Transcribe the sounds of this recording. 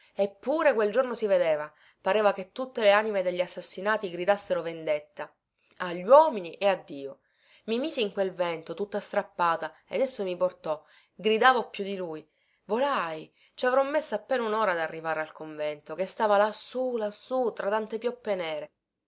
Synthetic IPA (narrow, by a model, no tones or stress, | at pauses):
epːuːɾekweld͡ʒornosived̪eːva | paɾeːvaket̪ːut̪ːeleaːnimed̪eʎːasːasːinaːt̪iɡɾid̪asːeɾovend̪et̪ːa | aʎːwɔːminiʔead̪ːiːo | mimiːsiiŋkwelvɛnt̪ot̪ut̪ːast̪ɾapːaːt̪aḛd̪esːomiport̪ɔ | ɡɾid̪aːvopjud̪iluːj | volaj | t͡ʃavɾɔmːesːaapːeːnaunoːɾad̪arːivaːɾealkoɱvɛnt̪okest̪aːvalasːulasːut̪ɾat̪ant̪epjɔpːenɛːɾe